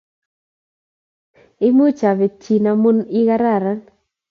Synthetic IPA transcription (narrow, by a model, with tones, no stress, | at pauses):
ɪ˦mu˦t͡ʃa˨βe˨t͡ʃi˨na˨mu˦ni˦ɣa˦ɾa˦˨ɾa˦